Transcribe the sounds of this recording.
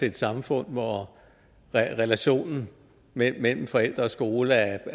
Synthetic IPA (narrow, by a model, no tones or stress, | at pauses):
e̝e̝d̥sɑ̈mfɔ̽n̰ʋɒ | ʁɛlæɕo̝̰ːnn̩ | memel̰m̩fɒ̽el̰d̥ʁɐɒ̽sɡ̥o̝ːləæ